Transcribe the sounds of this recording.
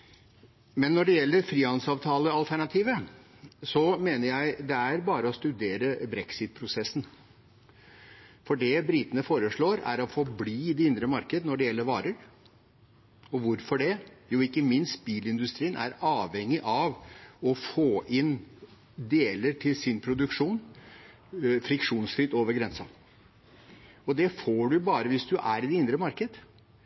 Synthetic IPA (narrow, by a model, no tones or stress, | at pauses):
mɛnːɔɖɛjɛlːəɾfɾiːɑnsɑːʋt̪ʰɑːləɑlt̪ʰæɳɑt̪ʰiːʋə | sɔmeːnəɾjæɪd̪ɛæɾbɑːɾəɔst̪ʉd̪eːɾəbɾɛksɪt̪̚pʰɾʊsɛsːn̩ | fɔɖɛbɾɪt̪ənəfoːɾəʂɭoːɾæ̰ɾɔfɔbliːd̪ɛɪnd̪ɾəmɑɾkəd̪ənɔɖɛjɛlːəɾʋɑ̰ːɾəɾ | ɔʋʊɾfɔɖɛjʊɪkːəmɪnst̪̚biːlɪnd̪ʉst̪ɾiːənʔæ̰ɾɑːʋɛŋːɪʔɑʋɔfoːʔɪn | d̪eːləɾʈʰɪlsɪnpʰɾʊd̪ʉkʂuːn | fɾɪkʂuːnsfɾɪt̪oːʋəɾɡɾɛnsɑ | ɔd̪ɛfoːɖʉbɑːɾəʋɪsd̪ʉʔæɾɪd̪ɛɪnd̪ɾəmɑɾkəd̪ə